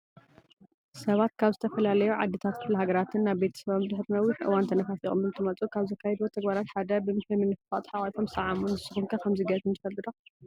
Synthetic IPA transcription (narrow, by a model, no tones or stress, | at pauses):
sɐβat̪kʰaβzɨt̪ʰɐfɐlalɐjuʕa̰d̪ːɨt̪ʰat̪kʰɨflɦaɡɐɾat̪ʰɨnːaβbe̞t̪ʰɐ̥sɐβomd̪ɨħɨɾnɐwːɨħʔɨ̰want̪ʰɐnɐfafḭʔʼo̰mɨnt̪ʰɨmɐt͡sʼukʰaβzɐkʰːajɛd̪ot̪ʰɐɡbaɾat̪ħad̪ɐbɨmɨɨmɨnːɨfɨfat̪ħawajfʰo̞msɐʕamunzɨsɨ̥xɨmkʰɐkʰɐmziɡɐɨnt̪ʰɨfɐlːɨd̪o